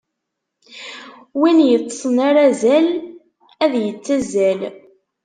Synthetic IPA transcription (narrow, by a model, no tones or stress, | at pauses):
winjət͡sˤːsˤnaɾæzæl | æðjət͡sːæzæl